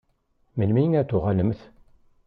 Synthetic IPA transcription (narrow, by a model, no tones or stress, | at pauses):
məlmijənæt̪ːʊʁæləmθ